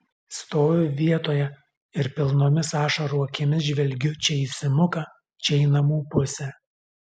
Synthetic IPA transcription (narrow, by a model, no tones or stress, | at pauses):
st̪oːʋʲʊʋʲiɛt̪oːjɛ | ɪɾpʲɪlˠnoːmʲɪsɑːʃɐɾuɔɐkʲɪmʲɪs̬ʒʲʋʲɛlʲɡʲʊt͡ʃʲɛisʲɪmʊkɐ | t͡ʃʲɛɪnɐmuːpʊsʲɛ